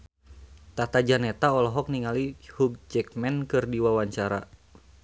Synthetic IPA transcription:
t̪at̪ad͡ʒanɛt̪aɔlɔɦɔk̚niŋalihuɡ̚d͡ʒɛkmɛnkɨrdiwawaɲt͡ʃaɾa̰

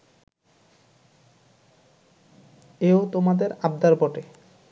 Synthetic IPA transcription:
eot̪omad̪eɾab̚d̪aɾbɔʈe

